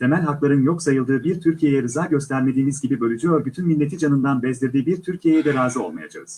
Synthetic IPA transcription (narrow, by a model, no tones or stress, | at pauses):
t̪ʰe̞mælʲɦaklˠaɾɯnjo̞ksajɯlˠd̪ɯːbiɾt̪ʰyɾcʰijejɛɾɯzaːɟø̞st̪ʰæɾme̞d̪iːmizɟibibø̞lʲyd͡ʒyjo̞ɾbyt̪ʰynmilʲːe̞t̪ʰid͡ʒanɯnd̪anbɛzlʲiɾd̪iːbiɾt̪ʰyɾcʰije̞jɛd̪ɛɾaːzɯo̞lˠmaja̰d͡ʒʰa̰ɯz̥